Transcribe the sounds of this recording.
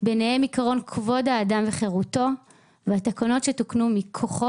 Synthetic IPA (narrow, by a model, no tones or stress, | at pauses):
benehemikaʁo̞nkʰvo̞dhaːdamveχe̞ʁuto̞ | veat̪akono̞tʃe̞tuknumikʰo̞χo